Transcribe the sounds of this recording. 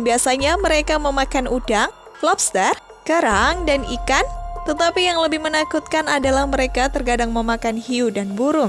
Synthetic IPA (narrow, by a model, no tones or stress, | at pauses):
biasaɲaməɾekaməmakanʔudaŋ | flɔp̚st̪ɛr | kəɾaŋdanikant̪ət̪apijaŋləbɪhmənakut̪̚kanadalahməɾekat̪ərɡadaŋməmakanhiudanbuɾʊŋ